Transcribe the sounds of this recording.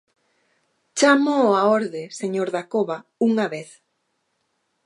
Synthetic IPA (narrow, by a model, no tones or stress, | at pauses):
t͡ʃamoːaoɾðeseɲoɾðakoβauŋaβeθ